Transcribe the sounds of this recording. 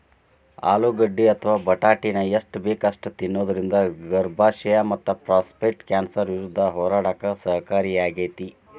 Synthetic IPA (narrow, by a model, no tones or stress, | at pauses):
a̰ːluɡɐɖːiɐt̪ʰɐʋaːbɐʈaːʈinɐjɐʂʈbeːkɐʂʈt̪inːoːd̪ɐɾind̪ɐɡɐɾbʱaːʃɐjamɐt̪ːɐpɾaːspekʈkaːnsɐɾʋiɾud̪ʱːɐɦɔːɾaːɽaːkɐsɐɦkaːɾijaːɡeːt̪i